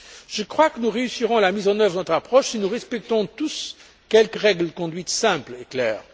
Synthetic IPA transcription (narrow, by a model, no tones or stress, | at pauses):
ʒəkχwakənuʁeysiʁɔ̃lamizɑ̃nœvʁənɔt̪χapχɔʃsinuʁɛspɛk̚t̪ɔ̃t̪us | kʲɛlkəʁɛɡlkɔ̃d̪ɥit̪sɛ̃pleklɛːʁ